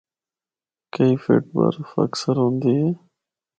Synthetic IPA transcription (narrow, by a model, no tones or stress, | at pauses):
kɐifḛʈ̚ba̰ɾfɐ̰ksəɾɦõːnd̪ie